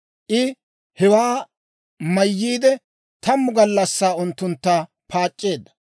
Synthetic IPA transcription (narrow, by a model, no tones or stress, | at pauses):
ʔɪ | hɛwaː | mɐjːiːd̪ɛ | t̪ɐmːʊɡɐlːɐsːaːʊnt̪ːʊnt̪ːaː | pʰaːt͡ʃʼːe̞ːd̪ːɐ̥